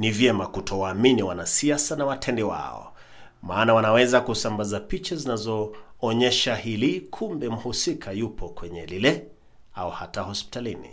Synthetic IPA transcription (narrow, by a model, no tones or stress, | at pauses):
nivjɛmakutʰɔwaːminiwanasiasanawatʰɛndɛwa̰ɔ̰ | maːnawanawɛzakusambazapit͡ʃazinazɔːɲɛʃahilikʰumbɛm̩husikʰajupʰɔkwɛɲɛlilɛ | auhatahɔspi̥talinḭ